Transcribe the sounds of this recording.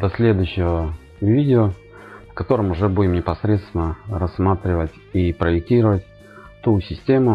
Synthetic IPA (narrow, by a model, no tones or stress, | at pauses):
d̪ɐsʲlʲed̪ʊjɕːɪvə | vʲidʲɪo | fkɐt̪o̞ɾəmʊʐɛbudʲɪmnʲɪpɐsɾʲet̪st̪vʲɪnərɐsːmat̪ɾʲɪvətʲipɾəjɪk̚tʲiɾəvətʲ | t̪usʲɪsʲtʲemʊ